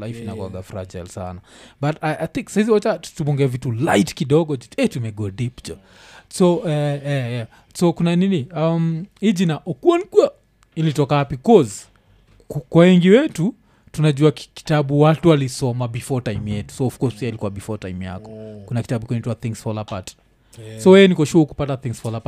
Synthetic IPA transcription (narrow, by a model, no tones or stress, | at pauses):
laifinawa̰ɡafɾa̰d͡ʒa̰jlsa̰nabatajʔajθĩŋksahiziwat͡ʃatupɔŋɡɛvitulajtkiɗɔɡɔd͡ʒɛtumɛɡɔdipd͡ʒɔ | sɔɛjaja | sokunaniniamid͡ʒinaʔɔkuɔnkua | ilitɔkahapikɔz | kwawɛŋɡiwɛtu | tunaʄuaki̥taɓuwatuwalisɔmabifɔtajmjɛtu̥sɔːfkɔsiailikuabifɔta̰jmja̰kɔ̥kunaki̥taɓukɛnituwaθiŋsfɔlapa̰t | sɔwɛjɛnikɔʃuauku̥pataθiŋsfɔlapa